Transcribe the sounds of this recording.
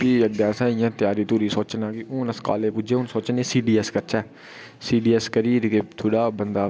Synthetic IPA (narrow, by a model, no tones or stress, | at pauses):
piːəɡ̪ãːsaːɪjãːt̪ɪjaːɾiːt̪uːɾiːsoːt͡ʃnãːkɪʊːnəska̰ːleːpʊd͡ʒeːʊnsoːt͡ʃneːsiːɖiːɛskəɾt͡ʃaː | siːɖiːɛːskəɾiːɾkeːt̪ʰoːɽaːbənd̪aː